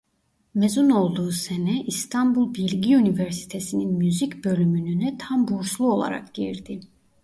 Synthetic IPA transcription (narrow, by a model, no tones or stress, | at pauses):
mezuno̞lˠd̪uːsenɛʔist̪ʰanbulˠbilʲɟiynivæɾsi̥t̪ʰesininmyzicbø̞lʲymynynɛt̪ʰambuɾslˠuo̞lˠa̰ɾa̰kɟḭɾd̪i